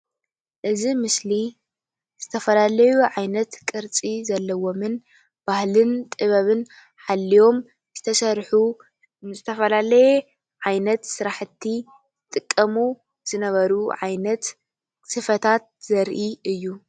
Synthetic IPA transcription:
ʔɨzimɨsli | z̥ɨt̪ʰɐfɐlalɐjuʕajnɐt̪kʼɨɾt͡sʼizɐlːɐwo̞mɨn | b̥ahlɨnt̪ʼɨβɐβɨn | ħalːijo̞m | z̥ɨt̪ʰɐsɐɾħu | zɨt̪ʰɐfɐlalɐje | ʕajnɐt̪sɨɾaħɨt̪ʰːi | zɨt̪ʼɨkʼːɐmu | z̥ɨnɐβɐɾuʕajnɐt̪ | sɨfɐt̪ʰat̪̚z̥ɐɾʔiɨjːu

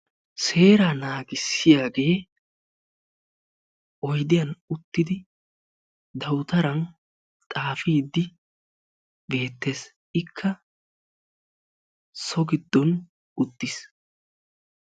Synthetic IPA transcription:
se̞ːɾanaːɡɪsːɪjaːɡe̞ː | ʔɔjd̪ɪjɐnʊt̪ːɪd̪ɪ | d̪ɐwt̪ɐɾɐn | t̪ʼaːfiːd̪ːɪ | be̞ːt̪ːe̞ːs | ɪkʰːɐ | sɔɡɪd̪ːɔn | ʊd̪ːɪs

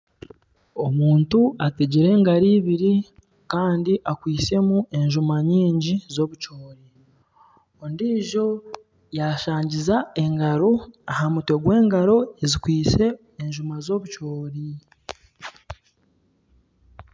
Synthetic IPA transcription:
o̞muːntuateɟiɾe̞ːŋɡaɾiːβiɾi | kaːndiʔakwiːse̞muʔe̞ɲʒumaɲiːɲɟizo̞βut͡ʃo̞ːɾi | ondiːʒo̞ | jaʃaːɲɟizae̞ŋɡaɾo̞ahamutwe̞ɡwe̞ːŋɡaɾo̞ezikwiːt͡se̞ː | ɲʒumazo̞βut͡ʃo̞ːɾi

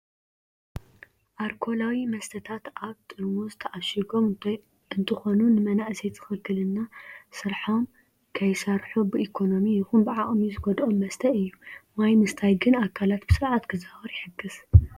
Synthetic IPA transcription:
ʔaɾkʰo̞lawimɐst̪ʰɐt̪ʰat̪ʔaβt̪ʼɨɾmozɨt̪ʰɐʔaʃiɡo̞m | ɨnt̪ʰɨxo̞nunɨmɐnaʔset̪ʰɨ̥xɨkʰːɨlɨnːasɨɾħom | kʰɐjsɐɾħubɨikʰo̞no̞mijɪxunbɨʕaʔʼmizɨɡod̪ʔomːɐst̪ʰɐɨjːumajmɨst̪ʰajɡɨnakʰːalat̪b̥ɨsɨɾʕat̪kʰɨzabɐɾjɪħɨɡːɨz̥

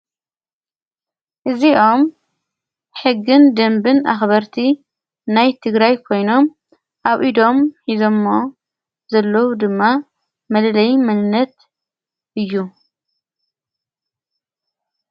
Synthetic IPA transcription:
ʔɨziʔo̞m | ħɨɡːɨnd̪ɐmbɨnʔa̰xbɐɾt̪ʰi | najt̪ʰɨɡɾajkʰo̞jno̞m | ʔaβʔid̪o̞mħizo̞mːo | zɐlːɐwud̪ɨmːa | mɐlɐlɐjmɨnɨnːɐt̪ | ʔɨjːu

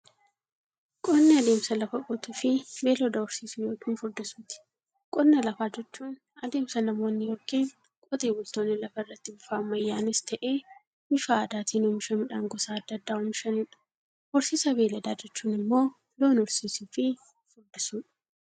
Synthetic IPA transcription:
kʼɔnːɛɐd̪eːmsɐlɐfɐkʼɔt̪ʊfɪbe̞ːlɔd̪ɐɔɾsiːsʊjoːkiːnfʊɾd̪ɪsuːt̪ɪ̥ | kʼɔnːɛlɐfaːd͡ʒɛt͡ʃːuːn | ɐd̪e̞ːmsɐnɐmo̞ːnːɪjɔɾkiːn | kʼɔt̪ʼeːwʊlt̪o̞ːnːɪlɐfɐɪrːɐt̪ːɪbʊfaːmːɐjːaːnɪst̪ʰɐʔeː | mɪfaːd̪aːt̪iːnʊmɪʃɐmɪᶑaːŋɡɔsaːd̪ːɐd̪ːaːʊmɪʃɐnɪᶑɐ̥ | ʔɔɾsiːsɐbe̞ːlɐd̪aːd͡ʒɛt͡ʃːuːnɪmːo̞ː | lo̞ːnɔɾsiːsufɪ | fʊɾd̪ɪsuːᶑ

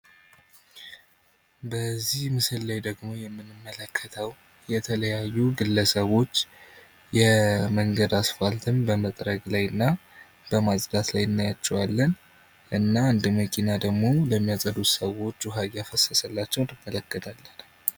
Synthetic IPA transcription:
bəzːihmɨsɨlːajd̪əɡmo̞jɛmːɨnːɨmːələkʰːət̪ʰəw | jɛt̪ʰələjajːuɡɨlːəsəβo̞t͡ʃː | jɛməŋɡəd̪asfalt̪ʰɨmbəmət̪ʼɾəɡlajɨnːa | b̥əmazʼd̪at̪lajɨnːajat͡ʃːɛwalːən | ʔɨnːaɨnd̪məkʰʼinad̪əɡmo̞ləmːijasʼəd̪ut̪səwo̞t͡ʃːuɦaɡjafəsəsəlːat͡ʃːɛwnɨmːələkːət̪ʰalːən

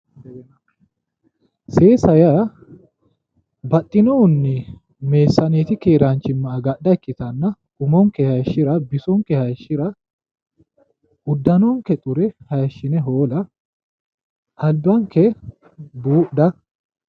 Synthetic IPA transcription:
seːsɐjɐ | bɐt̪ʼːɪnɔʊnːɪ | me̞ːsːɐneːt̪ɪkeːɾaːnt͡ʃɪmːɐːɡɐʔdɐɛkːɪt̪ɐnːɐ | ɡʊmɔŋkɛhɐjʃːɪɾɐbɪsɔŋkɛhɐjɐʃːɪɾɐ | ʔʊd̪ːɐnɔŋkɛt̪ʼʊɾɛhɐjɐʃːɪnɛɦoːlɐ | ʔɐlbɐŋkɛ | buːʔd̪ɐ

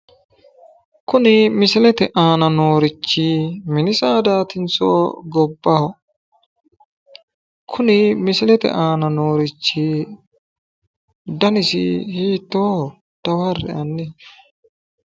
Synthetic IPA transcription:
kʊnɪmɪsɪlɛt̪ɛʔaːnɐnoːɾɪt͡ʃːɪmɪnɪsaːd̪aːt̪ɪnt͡so̰ːɡɔbːɐhɔ | kʰʊnɪmɪsɪlɛt̪ɛ̰ʔaːnɐnoːɾɪt͡ʃːɪ | d̪ɐnɪsɪ̰hiːt̪ːoː | d̪̥ɐwɐrɛ̰ʔɐnːɛ

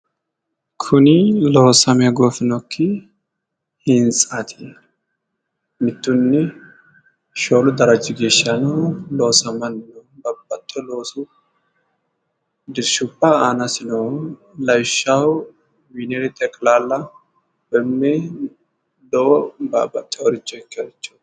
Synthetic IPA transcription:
kʰʊnɪlɔhsɐmɛɡoːfɪnɔkʰːɪ | hɪnt͡sʼat̪ʰi | mɪt̪ːʊnːɪ | ʃo̞ːlʊd̪ɐɾɐd͡ʒːɪɡeːʃːɐnoloːsɐmɐnnobɐbːɐt̪ʼːɔloːsʊ | d̪ɪɾʃʊbːaaːnɐsɪno | lɐjʃːawʊ | wineɾɛt̪ʼɛkʼlaːlːɐ | bɛmːɛ | d̪ɔʔɔba̰ːbːɐt̪ʼːɛɔɾɪt͡ʃːɔɛkːɐt͡ʃːu̥

